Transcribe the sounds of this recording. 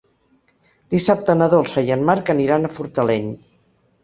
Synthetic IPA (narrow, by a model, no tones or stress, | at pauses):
d̪̥isap̚t̪ənəðolˠsajənmaɾkəniɾanəfuɾt̪əlɛɲ